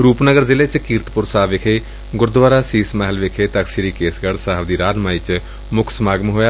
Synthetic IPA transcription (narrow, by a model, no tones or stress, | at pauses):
ɾuːpnəɡəɾzɪleːt͡ʃkiːɾt̪pʊɾsaːʋɪkʰeː | ɡʊɾd̪ʋaːɾaːsiːsmaɦɪlʋɪkʰeːt̪əksiɾiːkeːsɡəɽsaːəbd̪iːɾaːnmaːiːt͡ʃ | mʊkʰsmaːɡəmɦoːjaː